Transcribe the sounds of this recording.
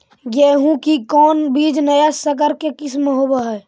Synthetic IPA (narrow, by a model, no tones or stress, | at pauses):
jeɦũkikɔːnbiːd͡ʒnəjasəkəɾkekɪsmeɦobəɦɛː